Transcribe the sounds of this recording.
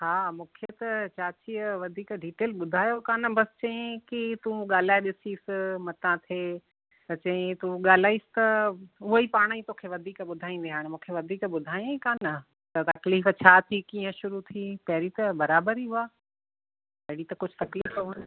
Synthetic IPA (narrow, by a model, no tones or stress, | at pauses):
haːmũːkʰet̪ɐt͡ɕaːt͡ɕiʋɐd̪ʱiːkɖiːʈeːlɓʊd̪ʱaːjokaːnɐbɐsɪ̥t͡ɕɐ̃ɪ̃kit̪ũːɠaːl̤aːeɗɪsiːsɪmɐt̪ãt̪ʰeː | t̪ɐt͡ɕɐ̃ɪ̃t̪ũɠaːl̤aːisɪ̥t̪ɐʊɦoiːpaːɽ̃aĩt̪oːkʰeʋɐd̪ʱiːkɓʊd̪ʱaːĩnd̪eɦaːɽ̃emũːkʰeʋɐd̪ʱiːkɓʊd̪ʱaːĩj̃ikaːnɐ | t̪ɐt̪ɐkliːft͡ɕʰaːt̪ʰikiːə̃ʃʊɾut̪ʰipɐɦɪɾit̪ɐbɐɾaːbəɾiːɦuaː | pɐɦɪɽit̪ɐkʊd͡ʑʱʊt̪ɐkliːfɦoʋən